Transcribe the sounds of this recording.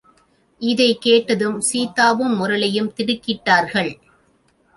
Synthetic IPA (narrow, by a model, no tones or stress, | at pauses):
ʔɪðɐɪkeːʈːɐðɯmsiːt̪aːʋɯmːʊɾɐɭɐjɯmt̪ɪɽɯkːɪʈːaːɾɣɐɭ